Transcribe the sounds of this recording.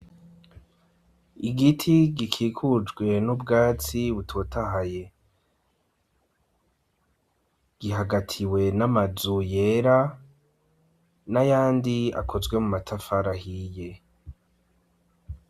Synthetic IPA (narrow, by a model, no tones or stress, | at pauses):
iɡitʰiɡikʰiːkʰud͡ʒɡwe̞nubɡaːt͡siβutʰotʰaɦaje̞ | ɡ̥iɦaɡatʰiwe̞namazuje̞ɾa | najaːndia̰kʰo̞zɡwe̞mumatʰafaɾahije̞